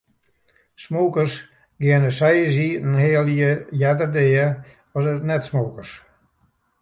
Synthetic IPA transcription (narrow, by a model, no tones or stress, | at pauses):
smoːkərs | ɡɪənəsɛjəziənheːəlˠiəjɛdərdeːə | ɔsətnɛtsmoːkərs